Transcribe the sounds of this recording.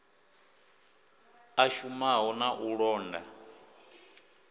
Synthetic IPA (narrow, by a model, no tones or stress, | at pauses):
aʃumaɦɔnaʔuɺɔːnda̰